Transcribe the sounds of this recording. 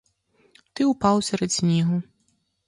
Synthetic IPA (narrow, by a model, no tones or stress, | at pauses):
t̪ɪupɑwˠsʲɛɾɛd̪ʲsʲnʲiɦʊ